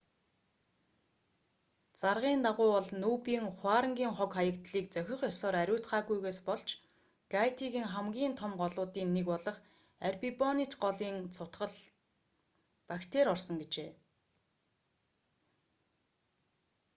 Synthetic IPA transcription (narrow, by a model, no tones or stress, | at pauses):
t͡sarʁiːnt̪aʁʊːɔɮnuːpiːŋχwaːɾə̆ŋɡʲiːŋχɔkχajə̆kt̪ɮiːkt͡sœxʲɪ̆χjɔsɔːɾæɾʲʊːt̪χaːɣujɣeːspɔɮt͡ɕʰ | ɡ̥ajʰt̪ʰiɣiːŋχæmɡʲiːnt̪ʰɔmɢɔɮʊːt̪iːnːekɔɮɞ̆χ | ærpipɔnit̪ɢɔɮiːnt͡sʰʊt̪ɢə̆ɮ | pakt̪ʰeːɾɔrsɞ̆ŋɡet͡ɕeː